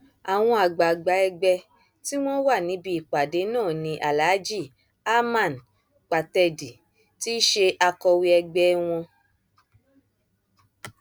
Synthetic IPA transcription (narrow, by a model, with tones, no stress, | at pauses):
a˨w̃ɔ̃˧a˨ɡ͡ba˨ɡ͡ba˨ɛ˧ɡ͡bɛ˧ | ti˦w̃ɔ̃˦wa˦˨nĩ˨˦bi˧i˨k͡pa˨de˨˦nãː˦˨nĩ˧ʔa˨la˨˦d͡ʒi˦˨ | a˦mã˦˨n | k͡pa˨tɛ˧di˨ | ti˦ʃe˧ʔa˧kɔ˧wi˧ɛ˧ɡ͡bɛ˧w̃ɔ̃˧